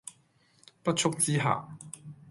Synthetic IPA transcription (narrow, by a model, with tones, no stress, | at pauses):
pɐ˥t̚t͡ʃʰʊ˥k̚t͡siː˥ɦa̰ː˨˩